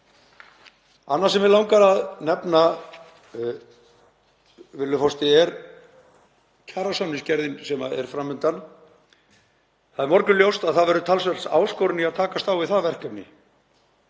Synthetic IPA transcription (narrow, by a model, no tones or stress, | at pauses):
anːaɾ̥sɛmvɪlawŋkaɾaðnɛpna | vɪlːʏfɔst̪ɪɛɾ | cʰaːɾasɔnːɪscɛɾðɪnsɛmaɛ̰ɾ̥fɾamːʏnt̪an | θaðɛɾmɔɾkʏljowst̪aðθaðvɛɾʏt̪ʰals̬vɛl̥sa̰ːwskowɾɪnːɪaðt̪ʰaːkast̪aːwvɪðθaðvɛr̥kʏpnɪ̰